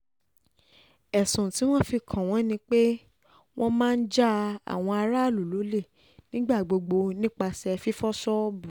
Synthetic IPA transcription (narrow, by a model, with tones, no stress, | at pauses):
ɛ˨sũ˨ti˨˦w̃ɔ̃˦fi˧kʰã˨w̃ɔ̃˨˦nĩ˧k͡pe˦ | w̃ɔ̃˦mãː˦n̩˦d͡ʒa˦a̰˨w̃ɔ̃˧a˧ɾa˦˨lu˨lu˨˦le˦˨ | nĩ˦ɡ͡ba˦˨ɡ͡bo˧ɡ͡bo˧nĩ˦k͡pa˧sɛ˧fi˦fɔ˦sɔ˦bu˨